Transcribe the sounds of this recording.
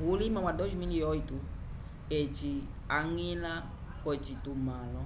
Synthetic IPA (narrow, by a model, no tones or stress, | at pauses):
bulimãmad̪ozmiliojt̪u | et͡ʃi | aŋila | kɔt͡ʃit̪umãlɔ